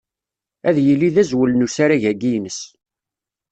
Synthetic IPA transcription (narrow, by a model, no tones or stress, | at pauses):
æðjəlːiðæzwəlnusaɾaʝæɡijnəs